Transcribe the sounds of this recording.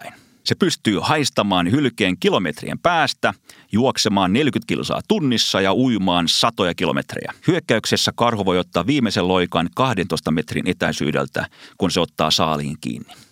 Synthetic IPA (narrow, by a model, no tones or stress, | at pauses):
in | sepyst̪yːhɑist̪ɑmɑːnhylkeːŋkilomet̪rḭḛmpæːst̪æ | juoksemɑːnnelkyt̪kḭlsɑ̰ːt̪unːisːɑjɑuimɑːnsɑt̪ojɑkilo̰mḛt̪rḛjæ̰hyøkːæyksesːækɑrhoʋojot̪ːɑːʋʋiːmeselːoikɑnkɑhdent̪oist̪ɑmet̪rḭnʔet̪æisy̰ːdḛlt̪æ̰kunseot̪ːɑ̰ːsɑːlḭːŋkḭːnːi̥